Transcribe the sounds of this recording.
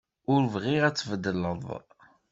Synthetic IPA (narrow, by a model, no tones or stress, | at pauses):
ʊɾvʁiʁæt͡sːvəd̪ələðˤ